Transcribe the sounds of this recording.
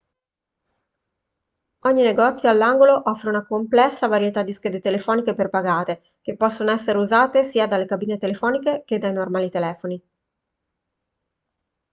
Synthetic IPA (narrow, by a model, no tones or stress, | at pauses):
ɔɲːineɡɔt̪sːjoalːaŋɡoloʔɔfːɾeunakomplɛsːavaɾjet̪ad̪ːisked̪et̪elefɔːnikeperpaɡaːt̪e | k̟epːɔsːonoɛsːeɾeuzaːt̪esiːad̪alːekabiːnet̪elefɔːnikek̟ed̪ːajnormaːlit̪elɛːfoni